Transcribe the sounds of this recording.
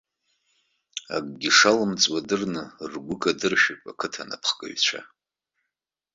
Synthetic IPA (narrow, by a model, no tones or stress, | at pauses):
a̰kʼɡʲiʂalɨmt͡sʼwadɨrnɨrɡʷʊkʼadɨrʃᶣapʼakʰɨtʰana̰pʰχkʼa̰ɥt͡ɕʷʰa̰